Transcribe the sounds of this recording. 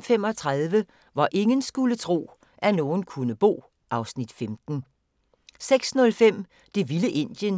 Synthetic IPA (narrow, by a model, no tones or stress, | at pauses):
fem̰ɒt͡sʰʁaðˠʋə | ʋɑ̈ʔe̝ŋənsɡ̥ulət͡sʰʁo̝̰ː | ʔæno̝ːn̩kʰunəb̥o̝̰ː | ʔɑ̈ʊsnid̥femd̥n̩ | seɡ̥snɔ̽lfem̰ | d̥e̝ʋiləʔe̝n̰d̥jən